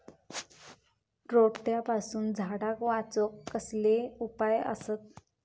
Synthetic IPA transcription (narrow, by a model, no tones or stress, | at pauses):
ɾoɽʈ̪japasuːnd͡zʱaɽakʋat͡sɔkːəsleupajə̰sət̪̚